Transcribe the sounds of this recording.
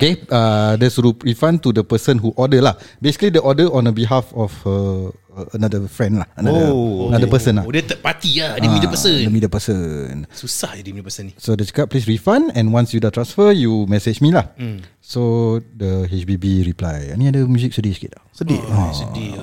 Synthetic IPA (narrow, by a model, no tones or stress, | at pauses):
okeədɛsɹuɹifãnt̪udəpəsə̃nɦuʔɔdəlahbesi̥kəlidəʔɔdəʔɔ̃nəbiɦafɔfə | ənadəfɹɛ̃nlahənaənadəpəsə̃nladət̪əpat̪iadəmĩdəpəsədəmĩdəpəsənsusahadimiəpəsənisodət͡ʃə̥kəp̚plisɹifãnɛ̃nwãnsjudat̪ɾãnsfəjumɛsed͡ʒmĩlah | sodəɦɛt͡ʃbibiɹiplaj̰mĩadəmjuzik̚sudit͡ʃkḛtsəisudi